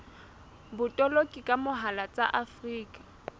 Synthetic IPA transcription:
bʊtʼɔlokʼikʼamʊɦalat͡sʼa̰ʔafriːkʼḁ

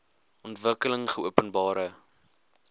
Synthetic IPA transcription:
ʔɔntvəkələŋχəuəpənbɑːɾə

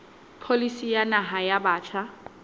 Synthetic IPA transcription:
pʰolisijanaɦajabaːt͡ʃʰa

